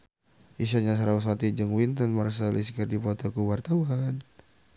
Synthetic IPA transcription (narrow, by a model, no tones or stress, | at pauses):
ʔiʃaɲas̬aɾauswat̪id͡ʒəŋwint̪ənmaras̬aliskərdipɔt̪okuwart̪awan